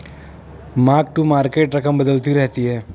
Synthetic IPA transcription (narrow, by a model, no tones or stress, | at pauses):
maːk̚ʈumaːɾkeːʈɾɐkəmbɐd̪əlt̪iɾɛɦt̪iɦɛː